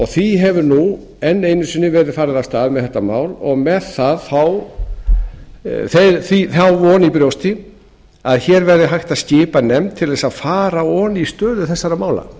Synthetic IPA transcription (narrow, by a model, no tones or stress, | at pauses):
ɔɣθviɦɛvʏɾnu | ɛnːeːjnʏsʏnːɪvɛɾʏðfaːɾɪðawst̪aːðmɛðθɛht̪ːamaːwlɔɣmɛðθaðθaw | θeθiθawvɔnipɾjowst̪ɪ | aðçɛɾvɛɾðɪɦajxt̪ascɪːpanɛmt̪ʰɪlɛsaðfaːɾaɔnist̪œːðʏθɛsːaɾamaːwla̰